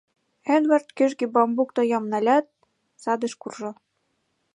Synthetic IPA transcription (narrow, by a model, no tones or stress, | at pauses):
enβɑrt̪kø̆ʒɡibɑmbukt̪ŏjɑmnɑlʲɑt̪̚ | sɑd̪ə̆ʃkurʒɤ̆